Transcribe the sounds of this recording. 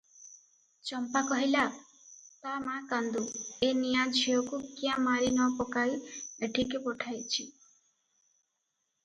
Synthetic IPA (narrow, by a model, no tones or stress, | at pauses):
t͡ʃɔmpakɔɦila | t̪amakand̪uenijad͡ʒʰʱiɔkukiãmaɾinɔpɔkaieʈʰikepɔʈʰajt͡ʃʰi